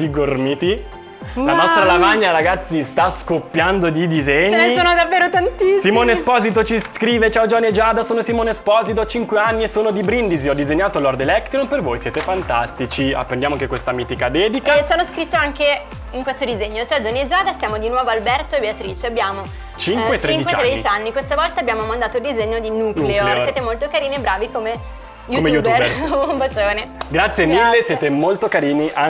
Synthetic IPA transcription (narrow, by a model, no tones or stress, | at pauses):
d̪iɡormit̪i | lanɔst̪ɾalavaɲːaɾaɡat̪sːist̪askopːjand̪od̪id̪izeɲt͡ʃeːnːeisoːnod̪avːeːɾot̪ant̪isimoːnespɔzit̪̬ot͡ʃiskɾiːvet͡ʃaod͡ʒɔnːied͡ʒaːd̪asoːnosimoːneespɔːzit̪oat͡ʃiŋkweanːiesoːnod̪ibɾind̪iziɔd̪ːizeɲːaːt̪olɔrd̪elɛkt̪ɾompervojsjɛːt̪efant̪a̰st̪it͡ʃia̰pːɾend̪jamoaŋkekwest̪amiːt̪ikad̪ɛːd̪ikat͡ʃanːoskɾit̪ːoaŋke | iŋkwest̪od̪izeɲːot͡ʃɛd͡ʒonied͡ʒaːd̪asjaːmod̪inwɔːvoalbɛrt̪oebeat̪ɾiːt͡ʃeabːjaːmo | t͡ʃiŋkwwett͡ʃ̪ːɾeiŋd̪iwt͡ʃeat̪ːed̪it͡ʃt͡ʃanːikwest̪avɔlt̪abːjaːmomand̪aːt̪oild̪izeɲːod̪inukleosjet̪emolt̪okaɾiːniebɾaːvikome | jukomejueɾombat͡ʃoːneɡɾat̪sːjemilːesjeːt̪emolt̪okaɾiːniʔa